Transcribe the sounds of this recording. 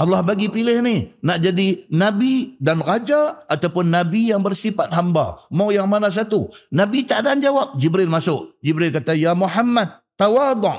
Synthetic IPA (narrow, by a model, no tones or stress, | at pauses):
ʔɑlːɑhbaɡipilɪhnɪhnaʔd͡ʒadinabidanɾad͡ʒaːt̪awpʊnːabijaŋbərsifat̪̚ɦamba̰mawjaŋmanas̬at̪unabit̪aʔdaand͡ʒawap̚d͡ʒibɾɪlmasʊʔd͡ʒibɾɪlkat̪ajamuħamːad̪̚t̪ːawad̪ˤʊʔ